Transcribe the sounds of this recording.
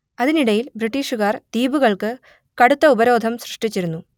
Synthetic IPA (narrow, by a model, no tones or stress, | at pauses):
ɐðiniɽɐjilbriʈːiːʂuɣaːrd̪̥iːbuɣɐɭkɨ | kɐɽut̪ːɐubɐɾo̞ːd̪ʱɐmsrɨʂʈit͡ɕːiɾunːu